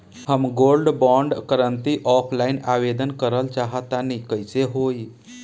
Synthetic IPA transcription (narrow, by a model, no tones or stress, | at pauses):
həmɡolɖbɔ̃ɳɖkəɾənt̪iʔɔpʰlainaʋed̪ənkəɾəlt͡ʃaɦət̪anikəjseɦoi